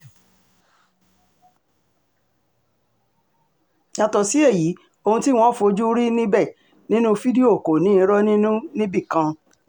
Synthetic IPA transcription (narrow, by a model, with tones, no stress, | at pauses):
ɲã˨tɔ˨si˨˦e˦˨ji˨˦ | o˧hũ˧ti˦w̃ɔ̃˦fo˧d͡ʒu˦ɾi˦nĩ˦bɛ˦˨ | nĩ˦nũ˦fi˦di˦o˦˨ko˨nĩ˨˦˧ɾɔ˦nĩ˦nũ˦nĩ˦bi˦˨kã˧